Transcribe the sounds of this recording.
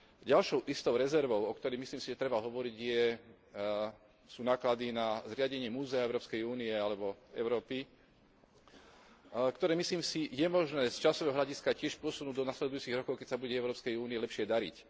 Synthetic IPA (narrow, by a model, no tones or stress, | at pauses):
ɟalʃɔʊʔist̪ɔʊɾɛzɛɾʋɔʊɔkt̪ɔɾɛjmisliːmsiʒɛt̪ɾɛbaɦɔʋɔɾiɟjɛ | suːnaːklad̪inazɾɪaɟɛɲɪɛmuːzɛaɛʊɾɔːpskɛjuːniɛalɛbɔɛ̰ʊɾɔːpi | kt̪ɔɾɛːmisliːmsijɛmɔʒnɛːst͡ʃasɔʋɛːɦɔɦlʎaɟiskacɪɛʃpʊɔsunuːɟd̪ɔnaslɛd̪ujuːt͡siɣɾɔkɔʊkɛcsabuɟɛɛʊɾɔːpskɛjuːniɛlɛpʃɪɛd̪aɾḭc